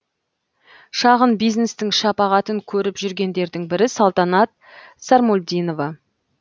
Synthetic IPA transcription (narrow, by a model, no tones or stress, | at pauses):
ʃɑʁənbijzne̞st̪ɪŋʃɑpɑʁɑt̪əŋkʲʰɵɾɪpʒʏɾɡʲe̞nd̪e̞ɾd̪ɪŋbɪɾɪsɑlˠt̪ɑnɑt̪̚ | sɑɾmolʲd̪ijno̞vɑ